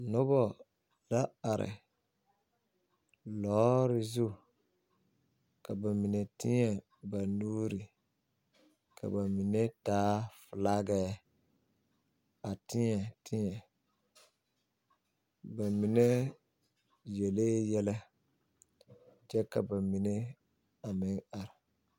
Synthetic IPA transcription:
nʊ˦bɔ˦ | la˦a˨ɾɪ̰˨ | lɔː˨˦ɾɪ˦zu˦ | ka˨ba˨mi˨nɛ˨tɪ˦ɲɛ˨ | ba˨nuː˦ɾi˨ | kʰa̰˨ba˨mi˨ne˦taː˦fʊ˨la˦ɡɛ˦ | a˨tɪ˦ɲɛ˨tʰɪ˦ɲɛ˨ | ba˨mi˨ne˦ | jɛ˨leː˦jɛ˦lɛ˦ | d͡ʒɛ˦ka̰˨ba˨mi˨ne˦ | a˨mɪ˦ŋa˨ɾɪ˨

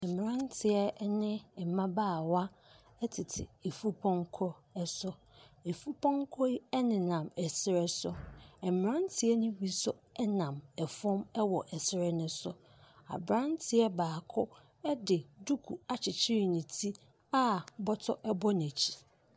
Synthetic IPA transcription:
ɛ˨m˨ã˦ntʰɪ˨ɛ˦nɪ̃˦ɛ˨mã˦baː˦˨wa˦ | ɛ˦tʰɪ˨tʰɪ̰˨e˨fu˦pʰɔ̃˦ŋkʰɔ˦ɛ˦sʊ˦ | e˨fu˦pʰɔ̃˦ŋkʰɔ˦i˦ɛ˦nɪ̃˨nã˨mɛ˨sɪ˦ɾɛ˦sʊ˨ɛ˨mm˨ɾã˦ntʰɪ˨ɛ˦nʊ̃˦wi˨sʊ˦ɛ˦nã˨mɛ˨fɔ̃˦mɛ˦wɔ˨ʔɛ˨sɪ˦ɾɛ˦nʊ̃˦sʊ˦ | a̰˨bɾã˦ntʰɪ˨˦ɛ˦baː˨kʰʊ˦ | ɛ˦dɪ˨du˦kʰu˨a˨t͡ɕʰɪ˨t͡ɕʰɪ˦ɾi˨nɪ̃˨tʰi˦ | a˦bɔ˦tʰɔ˦ʔɛ˦bɔ˦n˨æ˨t͡ɕʰi̥˨

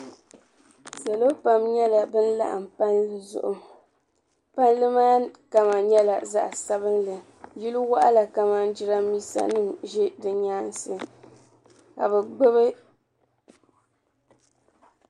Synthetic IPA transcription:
sa˨lo˦pa˨mɲɛ˦la˨bɨ˦n̩˦la̰˦ʔa̰˨m˨pa˦nlɨ˦zʊ̰˨ʔʊ˨ | pa˦n˦lɨ˦maː˦ka˨ma˨ɲɛ˦la˨za̰˦ʔsa˦βɨ˦nlɨ˨ | ji˦lu˦wa˦ʔa˦la˨ka˨ma˨n˦d͡ʒi˦ɾa˦mi˦sa̰˦nɨ˦ŋʒɛ˦dɨ˨ɲaː˦nsɨ˨ | ka̰˨bɨ˨ɡ͡bɨ˦bɨ˦

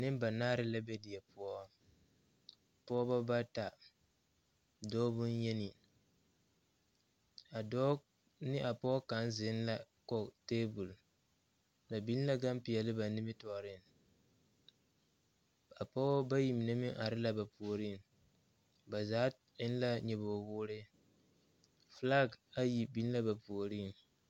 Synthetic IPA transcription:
nɪ˦m˦ba˨naː˦ɾɪ˦la˦bɛ˦di˨ɛ˨pʊ˦ɔ˦ | pɔ˦ba˦ba˦ta˨ | dɔː˦bʊ˦n˦jɛ˦nɪ˨ | a˨dɔː˦ | nɪ˦ʔa˨pɔ˦ɔ˦ka˨˦n˦zɪ˨˦n˦la˦ | kɔ˦teː˦bu˨l | la˨bi˦n˦la˦ɡa˦m˦pɪ˨ɛ˨lɪ˦ba˨nɪ˦mɪ˦tɔː˨ɾɪ˦˨n | a˨pɔ˦ba˦ji˨mi˨nɛ˦mi˦ŋʔa˨ɾɪ˦la˦ba˨pu˨o˨ɾiː˦˨m | ba˨zaː˨˦ | ɪ˦n˦la˦ɲɛ˨boː˨wʊː˦ɾɪ˦ | fla˦ɡa˦ji˨bi˦n˦la˦ba˨pu˨o˨ɾiː˦˨m

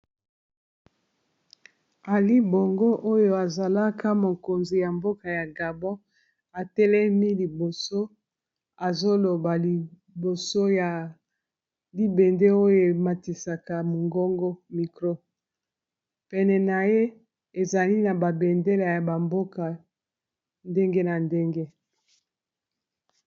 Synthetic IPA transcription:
a˨li˦bo˨ŋɡo˦ʔo˦jo˦a˨za˨la˦ka˦mo˨ko˨nzi˨ja˨mbo˦ka˨ja˨ɡa˨bɔ̃˦ | a˨tɛ˦lɛ˦mi˦li˨bo˨so˦ | a˨zo˦lo˨ba˨li˨ | bo˨so˦ja˨ | li˦be˨nde˦o˦jo˦e˨ma˨ti˨sa˨ka˨mo˨ŋɡo˦ŋɡo˦mi˨kʁo˦ | pɛ˨nɛ˨na˨je˦ | e˨za˨li˦na˨ba˨bɛ˨nde˦la˨ja˨ba˨mbo˦ka˨ | nde˦ŋɡe˦na˨nde˦ŋɡe˦

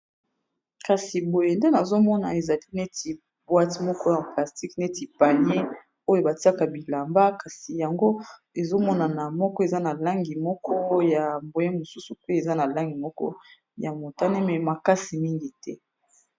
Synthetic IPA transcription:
ka˨si˨bo˨je˨nde˦na˨zo˦mɔ˦na̰˨e˨za˨li˦nɛ˦ti˨ | bwa˦ti˨mɔ˦kɔ˦jã˨pla˨sti˦knɛ˦ti˨pa˨ni˦e˦ | o˦jo˦˨ba˨ti˦a˦ka˨bi˨la˨mba˦ka˨si˨ja˨ŋɡo˦ | e˨zo˦mɔ˦na˨na˨mɔ˦kɔ˦e˨za˦na˨la˦ŋɡi˨mɔ˦kʰɔ˦ja˨mbo˨je˦mo˨su˦su˨pe˦e˨za˦na˨la˦ŋɡi˨mɔ˦kɔ̰˦ | ja˨mo˨ta˦ne˦mɛ˨ma˨ka˦si˨mi˦ŋɡi˨tɛ˦

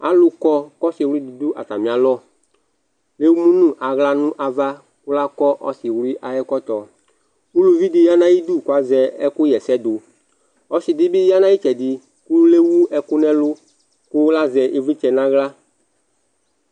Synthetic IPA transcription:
a̰˦lʊ˦kɔ˦kɔ˦sɪ˨wɾi˦d̪i˨d̪u˦ʔa̰˨t̪a˨mĩ˨a˨lɔ˦ | le˦wu˦mũ˦nũ˦ʔa˨ɣla˦nũ˦ʔa˨va˦ | kʊ˦la˦kɔ˦ʔɔ̰˦sɪ˨wɾi˦ʔa˨jɛ˦kɔ˦t̪ɔ˨ | wu˦lu˨vi˦d̪ɪ˨ja˦nã˦ji˦d̪u˦˨ka˨zɛ˨ɛ˦kʊ˦jɛ˨sɛ˦d̪ʊ˨ | ɔ˦sɪ˨d̪ɪ˦bɪ˦ja˦nã˦ji˦t͡ʃɛ˨d̪ɪ˨ | ku˦le˦wu˦ɛ˦kʊ˦nɛ̃˦lʊ˦ | kʊ˦wla˦zɛ˨ʔe˦vi˦t͡ʃɛ˨nã˦ɣla˦

